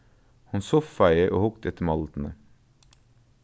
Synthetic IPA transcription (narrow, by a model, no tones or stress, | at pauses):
hɑnsoffæɪəʔo̰ːhʊkt̪ɛt̪əmɑlt̪n̩ə